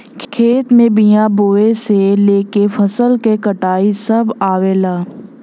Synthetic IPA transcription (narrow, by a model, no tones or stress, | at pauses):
kʰkʰeːt̪mẽbijãboːeseleːkefʰɐsəlkekəʈaːisɐbaːʋeːlaː